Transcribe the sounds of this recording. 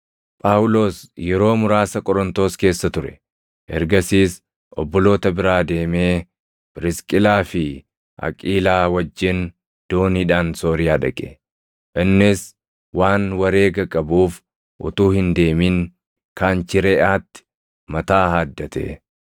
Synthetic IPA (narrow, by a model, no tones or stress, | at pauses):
pʼaːwʊlo̞ːsjɛɾo̞ːmʊɾaːsɐkʼɔɾɔnt̪oːske̞ːsːɐt̪ʊɾɛ̰ | ʔɛɾɡɐsiːs | ʔɔ̰bːɔlo̞ːt̪ɐbɪɾaːd̪e̞ːmeː | b̥ɪɾɪskʼɪlaːfɪ | ʔɐ̰kʼiːlaːwɐd͡ʒːɪn | d̪̥o̞ːniːᶑaːnso̞ːɾɪjaːᶑɐ̰kʼɛ̥̰ | ʔɪnːɪs | waːnwɐɾe̞ːɡɐkʼːɐbuːf | ʔʊ̰t̪uːhɪnd̪e̞ːmiːŋ | kaːnt͡ʃɪɾɛʔaːt̪ːɪ̥ | mɐt̪aːhaːd̪ːɐt̪ḛː